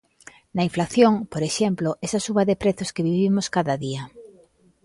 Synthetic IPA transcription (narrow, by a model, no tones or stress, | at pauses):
naiɱflaθjoŋpoɾeʃemploʔesasuβaðepɾeθoskeβiβimoskaðaðiɐ